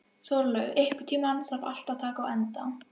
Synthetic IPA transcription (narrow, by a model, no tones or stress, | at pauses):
sowɾlœɣɪhkʏɾ̥t̪ʰiːmansava̰l̥t̪aðt̪ʰaːkaːwɛnt̪aw